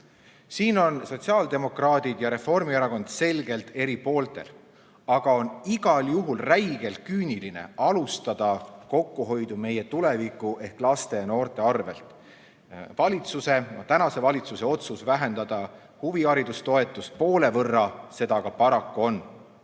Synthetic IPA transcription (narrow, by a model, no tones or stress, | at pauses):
siːno̞nso̞t̪ʲsiɑːld̪e̞mo̞krɑːd̪̥id̪̥jɑɾe̞fo̞rmieɾɑko̞nd̪̥se̞lɡ̥e̞lt̪e̞ɾipo̞ːlt̪e̞̰l | ɑɡ̥ɑo̞niɡ̥ɑljuɦulræjɡ̥e̞lkyːniline̞̰ɑlust̪ɑd̪̥ɑko̞kːuɦo̞jd̪̥ume̞je̞t̪ule̞vikːˑuʔe̞hklɑst̪e̞jɑno̞ːrt̪e̞ɑrve̞̰lt̪ˑ | vɑlʲit̪suse̞nɑt̪ænɑse̞vɑlʲit̪suse̞o̞t̪susvæɦe̞nd̪ɑd̪̥ɑ | huviɑɾid̪ust̪o̞e̞t̪ːˑust̪̚po̞ːle̞vɤrːɑse̞d̪ɑɡɑpɑɾɑkːuo̞n